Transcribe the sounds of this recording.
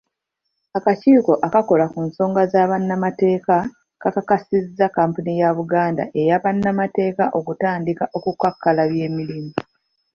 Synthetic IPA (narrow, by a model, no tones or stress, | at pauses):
akaciːko̞ʔakako̞lakunso̞ːŋɡazaːβanːamate̞ːka | kakakasizːakaːmpunijaβuɡaːnda̰ʔe̞jaβanːamate̞ːkaʔo̞kutaːndikaʔo̞kukakːalaβje̞ːmilimu